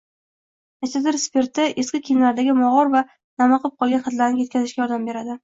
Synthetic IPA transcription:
at̪ad̪ɪɾspe̞ɾt̪ːɪʔeskʲɪkʲʰijnlaɾd̪aɡʲɪmɒʁɒɾva | namɑqɨp̚qʰɒlˠɡʲanχɑt̪laɾnɪje̞t̪kʲʰazɪʃkʲɡʲajɒɾd̪ambe̞ɾad̪ɪ

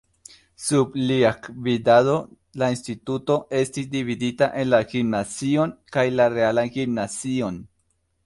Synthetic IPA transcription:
subliakvidado̞ | lainstituto̞e̞stisdividitaʔe̞nlaɡimnazio̞nkajlaɾe̞alanɡimnazio̞n

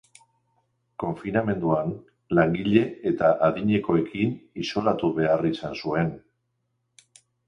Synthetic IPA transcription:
ko̞ɱfiname̞nd̪uan | laŋɡiʎe̞et̪aʔaðiɲe̞ko̞e̞kiniso̞lat̪uβe̞arisansue̞n

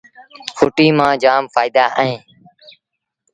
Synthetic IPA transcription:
kʰʊːʈiːmãːd͡ʒaːmfaːɪd̪aːʔəɦẽː

